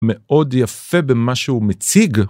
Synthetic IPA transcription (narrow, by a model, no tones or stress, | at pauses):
meʔo̞d̪jafe̞bemaʃeumet͡siɡ